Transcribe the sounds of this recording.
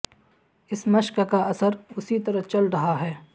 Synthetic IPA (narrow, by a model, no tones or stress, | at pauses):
ɪsmɐʃkkaɐsəɾʊsit̪ɐɾəɦt͡ʃɐlɾɐɦaɦɛː